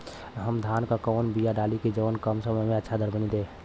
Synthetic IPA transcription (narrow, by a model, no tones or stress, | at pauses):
ɦəmd̪ʱankakəːnbijaɖaliked͡ʒəʋənkəmsəməjmẽətːʃʰad̪əɾbənid̪e